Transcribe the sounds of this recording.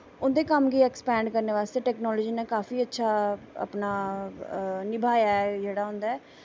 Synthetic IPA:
ʊnd̪eːkəmɡiɛːkspɛ̃ːɳɖkəɾneːʋaːst̪eːʈɛːknɔːlɔːd͡ʒiːnãːkaːfiːətːʃʰaːə̰pnaː | nɪbʱaːjaːɛd͡ʒeːɽaːɦʊ̃nd̪aːɛː

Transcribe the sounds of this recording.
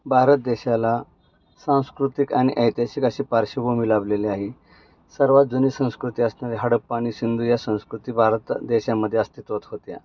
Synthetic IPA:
bʱaɾət̪̚d̪eɕala | sãw̃skɾut̪ikaɽ̃iʔəjt̪jaɕiːkəɕiːpaɾɕibomilaʋleleaɦi | səɾʋat̪̚d͡zuniːsə̃w̃skɾut̪iːəsɳaɾeɦaɽəpːaɽ̃iːsind̪ʱujasə̃w̃skɾut̪iːbʱaɾət̪d̪eɕamːəd̪ʱːjeəst̪it̪ʋat̪ɦot̪ja̰

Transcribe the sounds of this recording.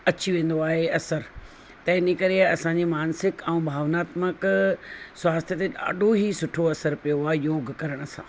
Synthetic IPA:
ɐt͡ɕiʋẽːn̆d̪oaːɦeɐsəɾ | t̪ɐɪnəkɐɾeɐsãɲd͡ʑemaːnsɪkɛ̃ũbʱaːʋnaːt̪mək | sʋaːst̪ʰjət̪eɗa̰ːɖʱoɦisʊʈʰoɐsəɾpijoaːɦejoːɡʱkɐɾəɽ̃ʊ̆sã̰ː

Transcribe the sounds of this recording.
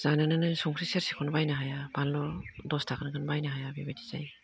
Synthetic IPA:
z̥anɯnɯnɯsuŋkʰɾiseɾsi̥kʰɔnbajnaɦajaballɔdɔstʰakʰɯnkʰɯnbajnaɦajabibadiza̰j

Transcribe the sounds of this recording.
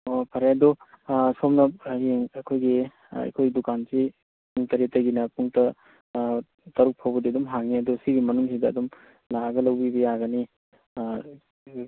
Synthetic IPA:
opʰɐɾaɐdu | somnɐp̚jeŋɐkʰojɡi | ɐ̰kʰojdukansi | puŋtɐɾetːɐɡinɐpuŋtɐ | tɐɾuk̚pʰawbɐdiɐdumɦaŋiɐdusiɡimɐnuŋsidɐ̰ːdum | laɡɐlɐwbibɐjaɡɐni

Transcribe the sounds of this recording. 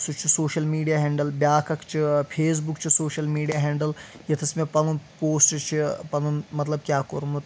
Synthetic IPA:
sut͡ʃʰusoːʃɐlmiːɖijaːɦẽːɳɖəlbjaːkʰɐkt͡ʃʰipʰeːs̬bukt͡ʃʰisoːʃəlmiːɖijaːɦẽːɳɖəl | jɐt̪ʰɐsmẽpɐnũpoːsʈt͡ʃʰipɐnũmɐt̪lɐb̚kjaːkoɾũm

